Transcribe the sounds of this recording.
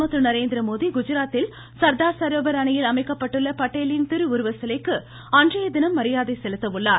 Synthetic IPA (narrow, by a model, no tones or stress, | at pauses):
mɐt̪ːɯnɐɾeːnd̪ɪɾɐmoːðiɡʊd͡ʒɐɾaːt̪ːɪl | sɐɾd̪aːɾsɐɾoːbɐɾaːɳɐjɪlɐmɐɪkːɐpːɐʈːɯɭːɐpɐʈːeːlɪnt̪ɪɾɯʊɾɯʋɐsɐlɐɪkːɯ | ɐndrɐjɐd̪ɪnɐmːɐɾɪjaːðɐɪsɛlɯt̪ːɐʋɯɭːaːɾ